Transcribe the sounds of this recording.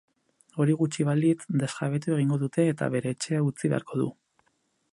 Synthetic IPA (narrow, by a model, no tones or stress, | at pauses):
o̞ɾiɣ̞ut͡ʃiβ̞alit̪d̪e̞saβ̞e̞t̪ue̞ɣ̞iŋɡo̞ðut̪e̞ːt̪a̰βe̞ɾe̞ːt͡ʃe̞aut͡siβea̰ɾko̞ðṵ